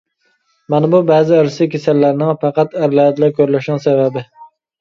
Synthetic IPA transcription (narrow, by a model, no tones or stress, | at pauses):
mɛnɪbubɛːzɪəɾsɨkʲʰesælːæɾnɪŋfɑqɑt̪æɾlɛɛt̪lɛkʲøɾlɪʃnɪŋsɛbɛbɪ